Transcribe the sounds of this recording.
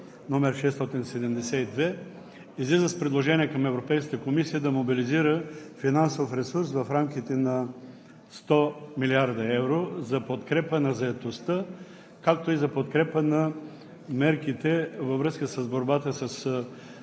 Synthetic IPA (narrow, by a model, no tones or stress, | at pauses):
nɔmɛɾʃɛst̪ɔt̪insɛd̪ɛmd̪ɛsɛid̪vɛ | izlizəspɾɛd̪lˠoʒɛniɛkɐmɛvɾopɛjskət̪əkomisijəd̪ɐmobiliziɾəfinansofɾɛsuɾsvɐfɾamkʲit̪ɛnɐ | st̪ɔmiliaɾd̪ɐɛvɾozɐpot̪kɾɛpənɐzɐɛt̪ost̪ə | kak̚t̪oizɐpot̪kɾɛpənɐ | mɛɾkit̪ɛvəvɾɤskəsɐzboɾbat̪əsəs